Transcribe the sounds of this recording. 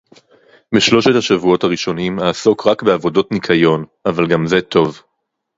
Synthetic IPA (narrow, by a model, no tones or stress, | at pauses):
biʃlo̞ʃethaʃavuo̞thaʁiʃo̞nimaːso̞kʁakbeavo̞do̞tnikʰajo̞navalɡamze̞tʰo̞v